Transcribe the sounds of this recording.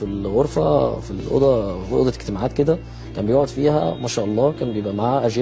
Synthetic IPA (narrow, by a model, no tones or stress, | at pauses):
ilɣoɾˤfæfilʔo̰d̪ˤæʔo̰ʔd̪æekt̪emaʕaːt̪̚ked̪æ | kæːmbejoːʕod̪ˤfiːhæ̰mæʃæːʔɑlˤːɑːkæːnbejebʔæmaʕaːʔæʒæ